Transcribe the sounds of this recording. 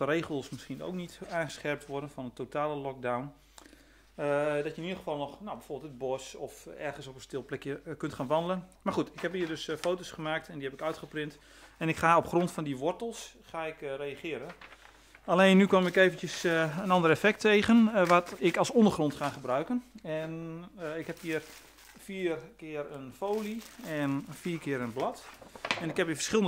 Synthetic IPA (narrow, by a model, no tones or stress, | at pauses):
əreːχəlˠsmɪsχino̰wknitaːnχə̥sχɛrp̚tʰʋɔrdənfɔnətotʰaːləlɔk̚dawn | dɔtjəɪnidəχəfɑlˠnɔχnobɛjfoːrbɪlˠəd̚bɔsɔfɛrɣən̩sopənstɪlˠplɛkjəkʏntχaːnʋɑndələnmarχutɪkhɛpiːrdøsfowtosχəmaːk̚tʰɛndihɛpɪkœɥtχəprɪnt | ɛnɪkχaːopχrɔntfɔndiʋɔrtəlˠsχaɪkrejaχɪːəɾən | aleːnːykɔmɪkeːvəntjəsənɑndərefɛk̚tʰeːɣənʋatɪkɑlˠsɔndərχrɔntχaχəbrœɥkənɛnɪkhɛphiər | fiːrkɪːərənfoːliɛnfiːkɪəɾənblɔtɛnɪkhɛpiːfə̥rsχɪlˠən